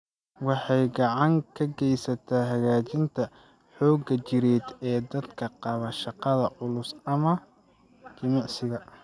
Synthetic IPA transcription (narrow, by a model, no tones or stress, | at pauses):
wɑħɑjɡɑʕɑŋkʰɐɡɛjsɐt̪ʰaːɦɐɣaːt͡ʃɪnt̪ʰɐ | ħɔːɡɐt͡ʃɪɾɛːd̪ɛːd̪ɐd̪kʰɐqɑβɐʃɑqɑðɐʔʊlʊsɐmɐ | t͡ʃɐnɑʕsɪɣɐ